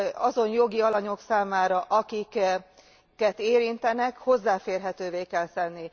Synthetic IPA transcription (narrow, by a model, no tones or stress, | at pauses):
ɒzo̞njo̞ɡiɒlɒɲo̞ksaːmaːɾɒʔɒkik | kːɛt̪eːɾint̪ɛnɛkho̞zːaːfeːrɦɛt̪øːveːkɛlsɛnːi